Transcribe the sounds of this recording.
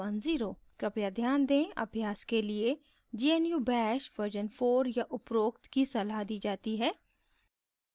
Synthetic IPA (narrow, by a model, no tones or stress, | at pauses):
ɐnziːɾoː | kɾɪpjad̪ʱjaːnd̪ẽːʔɐ̰bʱjaːskelie | d͡ʒiːenjubɛːʃʋəɾd͡ʒənfoːɾjaʔʊpɾoːkt̪kisɐlaɦd̪iːd͡ʒaːt̪iɦɛː